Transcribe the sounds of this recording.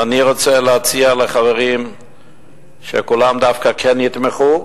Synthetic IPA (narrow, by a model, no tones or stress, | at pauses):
aniʁo̞t͡seleat͡sialeχaveʁim | ʃḛkulamd̪afkakʰenit̪meχu